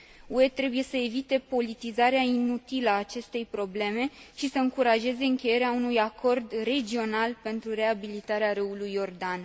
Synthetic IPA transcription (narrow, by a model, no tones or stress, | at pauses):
ue̞t̪ɾe̞buje̞səevit̪e̞po̞lit̪izaɾeainut̪iləaːt͡ʃe̞st̪e̞jpɾo̞ble̞me̞ʃisəɨŋkuɾaʒe̞ze̞ɨŋkʲe̞je̞ɾeaunujako̞rd̪re̞d͡ʒio̞nalpe̞nt̪ɾuɾe̞abilit̪aɾeaɾɨulujːo̞rd̪an